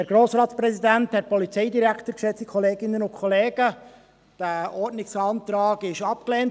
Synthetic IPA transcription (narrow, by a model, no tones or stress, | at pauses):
æɾɡ̥ɾoːsɾɑːtsprɛsidænthɛt̚pɔlit͡sɛɪdiɾækχtəɾkʃɛt͡sikʰɔleːɡɪnːənʊnkʰχɔleːɡə | d̥æɔɾdnɪksɑːnt̪ɾɑːɡɪʃɑp̚kleːnt